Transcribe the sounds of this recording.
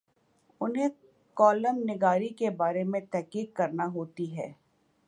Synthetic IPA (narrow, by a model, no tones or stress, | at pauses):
ʊnɦẽ | kɔːləmnɪɡaːɾikebaːɾemẽt̪ɛɦkiːkkɐɾnaɦoːt̪iɦɛː